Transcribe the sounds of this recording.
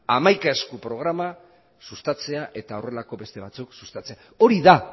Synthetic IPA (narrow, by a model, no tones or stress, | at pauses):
amajkaeskupɾo̞ɣ̞ɾama | sust̪at͡se̞aʔe̞t̪ao̞re̞lako̞be̞st̪e̞βat͡suksust̪at͡se̞a | o̞ɾiða